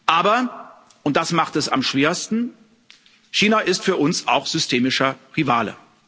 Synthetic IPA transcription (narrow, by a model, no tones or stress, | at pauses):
ʔaːbɐ | ʔʊnt̚d̥asmaχtɛsa̰mʃv̥eːɐstn̩ | çiːnaʔɪstfyːɐʔʊnsa̰ʊxz̥ʏstʰeːmɪʃɐʁivaːlə̰